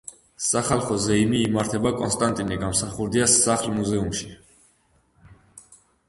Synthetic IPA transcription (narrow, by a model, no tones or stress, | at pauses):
saχalˠχɔzɛimiːmaɾt̪ʰɛbakʼɔnst̪ʼant̪ʼinɛɡamsaχuɾd̪iasːaχlˠmuzɛumʃi̥